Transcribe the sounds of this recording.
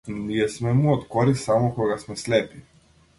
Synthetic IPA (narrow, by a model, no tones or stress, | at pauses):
niɛsmɛmuɔt̪kɔɾisamɔkɔɡasmɛslɛpi